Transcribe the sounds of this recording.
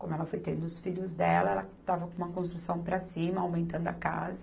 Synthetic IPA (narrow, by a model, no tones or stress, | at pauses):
kõmʊɛlɐfojt̪ẽnd̪ʊʊsfiʎʊzd̪ɛlɐɛlɐt̪avɐkõũmɐkõst̪ɾusɐ̃w̃pɾɐsĩmɐawmẽnt̪ɐ̃nd̪ʊɐka̰zɐ